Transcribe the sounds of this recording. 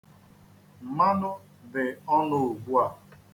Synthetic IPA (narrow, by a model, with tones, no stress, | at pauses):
m̩˨ma˦nʊ˦ | dɪ˨ɔ˦nʊ˨ɡ͡bu˦a˨